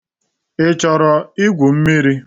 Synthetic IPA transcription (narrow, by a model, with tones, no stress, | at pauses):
ɪ˦t͡ʃɔ˨ɾɔ˨i˦ɡʷu˨m̩˦mi˦ɾi˦